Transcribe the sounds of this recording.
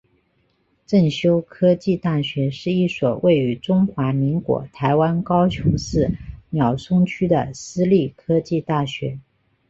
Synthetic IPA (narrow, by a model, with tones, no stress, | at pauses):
ʈ͡ʂə˥˩ŋɕjo˥ʊkʰɤ˥t͡ɕi˥˧t̪a˥˩ɕɥɛ˧˥ʂɻ̩˥˧i˥˩swɔ˨˩wʔe˥˩ɪy˧˥ʈ͡ʂʊ˥ŋxwa˧˥mi˧˥ŋkwɔ̰˧˥t̪ʰa˧˥ɪwa˥nkɑ˥ʊt͡ɕʰjʊ˧˥ŋʂɻ̩˥˩njɑ˨˩ʊsʰʊ˥ŋt͡ɕʰy˥d̪ə˨sɹ̩˥li˥˩kʰɤ˥t͡ɕi˥˧t̪a˥˩ɕɥɛ˧˥